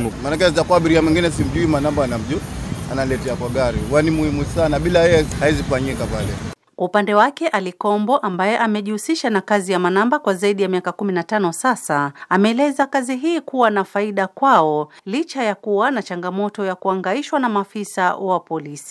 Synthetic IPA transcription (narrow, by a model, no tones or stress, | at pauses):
manakɛzitakuaɓiɾiamwɛŋɡinɛs̬im̩ʄuimanambaanam̩ʄua̰nalɛtɛakwaɠaɾiuwanimuhimusanaɓilajɛjɛhaizikufaɲikapalɛ | kwaupandɛwakɛʔalikɔmbɔʔambajɛʔamɛʄihusiʃanakazijamanambakwazaiɗijamiakakuminatanɔsasaamɛːlɛzakaziɦiːkuwanafaiɗakwaɔlit͡ʃajakuwanat͡ʃaŋɡamɔtɔjakuaŋɡaiʃwanamafisawapɔlisi̥